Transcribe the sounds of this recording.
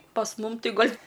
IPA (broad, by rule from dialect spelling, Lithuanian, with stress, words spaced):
pɐs ˈmʊm ˈtʲɪ ˈɡɐlʲ